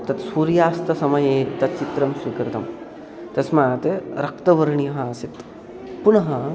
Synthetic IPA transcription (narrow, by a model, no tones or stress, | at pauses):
t̪ɐt̪suːɾjaːst̪ɐsɐmɐjeːt̪ɐt̪̚t͡ʃit̪ɾɐmsʋikɾt̪ɐm | t̪ɐsmaaːt̪eɾɐk̚t̪ɐʋɐɾɳijɐɦɐsit̪ | punɐɦɐ